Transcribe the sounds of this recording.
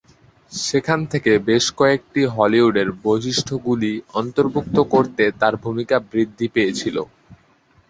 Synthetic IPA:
ʃekʰant̪ʰekebeʃkɔek̚ʈiɦɔliɦuɖeɾboʃiʃʈʰoɡuliɔnt̪oɾbʱuk̚t̪okoɾt̪et̪aɾbʱumikabɾid̪ʱːipejet͡ɕʰilo̰

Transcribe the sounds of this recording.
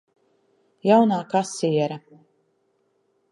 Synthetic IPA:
jawnaːkasiɛɾa

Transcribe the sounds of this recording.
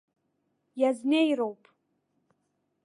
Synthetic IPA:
jaznejɾowpʼ

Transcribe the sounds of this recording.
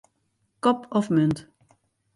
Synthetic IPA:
kɔpɔfmʏnt

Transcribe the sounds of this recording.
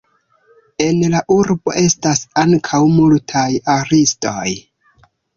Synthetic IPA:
e̞nlaʔuɾbo̞̰ʔe̞stasaŋkʰawmultʰajaɾisto̞̰j

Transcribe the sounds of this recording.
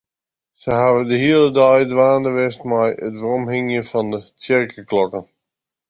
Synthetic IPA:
səɦaːvədəɦiəlˠədajdʋaːndəʋɪstmɛjətvərɔmɦɪŋjəfɑndət͡sɪrkəklɔkən

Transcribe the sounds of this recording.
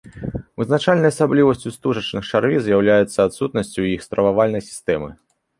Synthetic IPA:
vɨznat͡ʂalʲnɐjɐsablʲivɐsʲt͡sʲust̪uʐɐt͡ʂnɨxt͡ʂarvʲizjawlʲajɛt̪sːɐat̪sut̪̚nɐsʲt͡sʲuwjixst̪ɾɐvavalʲnɐjsʲi̥st̪ɛmɨ̰

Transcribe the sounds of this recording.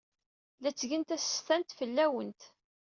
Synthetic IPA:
læt͡sːʝɡənt̪æsə̥st̪ænt̪fəlːæwənt̪

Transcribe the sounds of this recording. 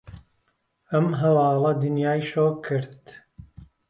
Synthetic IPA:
ɐmɦɐwɑːlˠɐd̪ɨnjaːjʃoːkʰɨɾd̪

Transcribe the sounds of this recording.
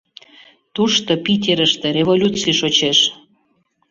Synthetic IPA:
t̪uʃt̪opitʲeɾəʃt̪ĕɾʲevolʲut͡sijʃot͡ɕeʃ

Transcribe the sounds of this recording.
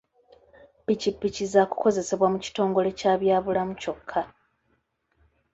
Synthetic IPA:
picipːicizaku̥ko̞ze̞se̞βwamuci̥to̞ːŋɡo̞le̞caːβjaːβulamuco̞kʰːa

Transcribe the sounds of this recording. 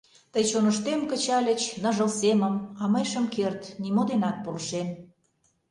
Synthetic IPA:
t̪əjt͡ɕonəʃt̪emkə̆t͡ɕɑlʲə̆t͡ɕnə̆ʒə̆lseməmɑməjʃəmkert̪nimod̪enɑt̪̚polʃem

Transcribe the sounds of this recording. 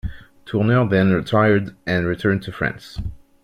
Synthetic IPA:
tʰunəðɛ̃nɹitʰaɪə˞dʔɨ̃nɹitʰɜ̃˞ntʰɨfɹɛ̰̃ns

